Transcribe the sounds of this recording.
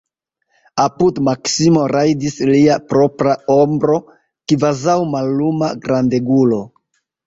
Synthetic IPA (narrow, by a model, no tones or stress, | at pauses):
apudmaksimo̞ɾajdisliapɾo̞pɾao̞mbɾo̞ | kvazawmalːumaɡɾande̞ɡulo̞